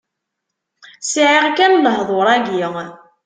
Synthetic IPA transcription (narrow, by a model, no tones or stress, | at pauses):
sʕiʁkænləɦðˤoɾˤæɡi